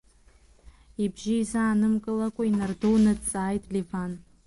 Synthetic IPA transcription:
ibʒijzaːnɨmkʼɨlakʷʼainardownat͡sʼaːjtʼlivan

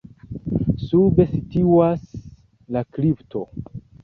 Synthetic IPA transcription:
sube̞situwas | lakliptʰo̞

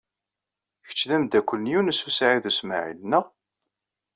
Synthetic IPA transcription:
çə̥t͡ʃːðæmd̪ækʷːəlnjunəsusʕiðusmaʕḭlnːəʁ

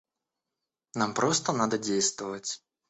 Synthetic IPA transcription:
nampɾɔst̪ɐnad̪ɐd͡zʲejst̪vɐvɐt͡sʲ

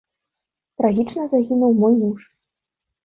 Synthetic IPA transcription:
t̪ɾaɣʲit͡ʂnɐzaɣʲinuwmɔjmuʂ

